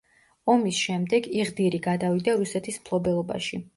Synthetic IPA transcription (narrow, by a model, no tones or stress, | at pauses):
ɔmisʃɛmd̪ɛɡiʁd̪iɾiɡad̪avid̪aɾusɛt̪ʰismpʰlˠɔbɛlˠɔba̰ʃi